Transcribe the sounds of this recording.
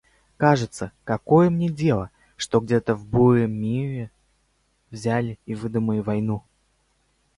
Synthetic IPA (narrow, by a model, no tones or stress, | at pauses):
kaʐɨt̪səkɐko̞jəmnʲedʲe̞lˠə | ʂt̪oɡdʲet̪əvbujɪmːʲiɾʲɪ | vzʲælʲɪivɨd̪ʊməlʲɪvɐjnu